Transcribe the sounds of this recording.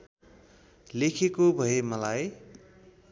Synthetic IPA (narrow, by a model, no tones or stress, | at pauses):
lekʰekobʱʌemʌlaj